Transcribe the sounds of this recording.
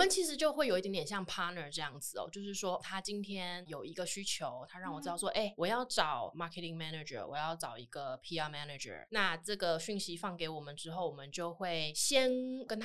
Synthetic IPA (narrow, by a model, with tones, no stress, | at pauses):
ɔ˨mə˨˦nt͡ɕʰi˧˥ʂɻ̩˧˥t͡ɕjo˥ʊxwe˥˩ɪo˨˩ʊi˧t̪jtjɛ˨˩nɕjɑ˥˩ŋpʰa˥nə˨˩ʈ͡ʂɤ˥˧jɑ˥˩ŋd͡zɹ̩˨˩ɔ̰˨˩t͡ɕjo˥˧ʊʂɻ̩˥˩ʂwɔ˥t̪ʰa˥t͡ɕi˦nt̪ʰjɛ˥njo˨˩ʊi˧˥ɡə˧ɕy˥t͡ɕʰjo˧˦ʊt̪ʰa˥ɻɑ˥˩ŋwɔ˨˩t͡sɹ̩˥˧ɑ˥˧˩ʊt͡sʰwɔ˥ʔe˥˩ɪwɔ˨˩jɑ˥˩ʊʈ͡ʂɑ˨˩˦ʊma˧˥kʰɛ˧˥t̪i˨˩ŋmɛ˥nɛ˨˩ʈ͡ʂə̰˨˩wɔ̰˨˩jɑ˥˩ʊʈ͡ʂɑ˨˩ʊḭ˧˥ɡ̥ə˨pʰi˥a˥˩mɛ˥nɛ˨d͡ʒə̰˨˩na˥˧ʈ͡ʂɤ˥˩ɡə˩ɕy˥˩nɕi˧˥fɑ˥˩ŋke˨˧˥ɪwɔ˨˩mə˦nʈ͡ʂɻ̩˥xo˥˩ʊwɔ˨˩mə˦nt͡ɕjo˥˧ʊxwe˥˩ɪɕjɛ˦nkə˥nt̪ʰ